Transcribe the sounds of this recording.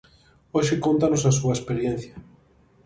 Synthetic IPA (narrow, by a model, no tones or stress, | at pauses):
oʃɪkont̪anosɐsuɐespeɾjen̟θjɐ